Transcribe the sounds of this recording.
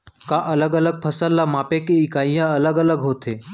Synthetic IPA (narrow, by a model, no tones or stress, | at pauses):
kaʔələɡələɡ̚pʰəsəlːamapekeikajjaələɡələɡɦot̪e